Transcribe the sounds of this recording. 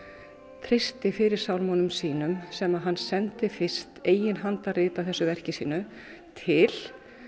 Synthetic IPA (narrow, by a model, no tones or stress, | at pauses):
t̪ʰɾɪst̪ɪfɪɾɪɾ̥sawlmɔnʏmsiːnʏmsɛmaðɦanːsɛnt̪ɪfɪr̥st̪eːjɪnɦant̪arɪːt̪aθɛsːʏvɛr̥cɪsḭːnʏ | t̪ʰɪl̥